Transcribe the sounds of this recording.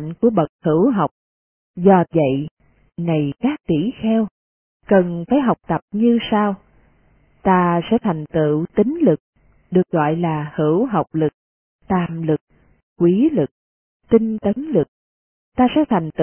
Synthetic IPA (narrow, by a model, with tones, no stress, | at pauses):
ŋku˧˩əɓə˨˩k̚hɨ˧˩wɦa˨˩wk͡p̚ | zɔ˧və̰˧˨j | na˨˩jkaː˦˥k̚t̪i˧˩xɛ˧w | kə˨˩nfaː˧˩˦jɦa˨˩wk͡p̚t̪ə˨˩p̚ɲɨ˧saː˧w | t̪aː˧sɛ̰˧˥t̪ʰa˨˩jŋ̟t̪ɨ̰˧˨t̪ï˨˦ŋ̟lɨ˨˩k̚ | ɗɨ˨˩ək̚ɣɔ̰˧˨jlaː˨˩hɨ˧˩wɦa˨˩wk͡p̚lɨ˨˩k̚ | t̪aː˨˩mlɨ˨˩k̚ː | kːwi˨˦lɨ˨˩k̚ | t̪i˧ŋt̪ə˨˦nlɨ˨˩k̚ | t̪aː˧sɛ̰˧˥t̪ʰa˨˩ŋ̟t̪